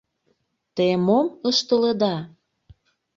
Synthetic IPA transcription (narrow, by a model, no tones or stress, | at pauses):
t̪emoməʃt̪əled̪ɑ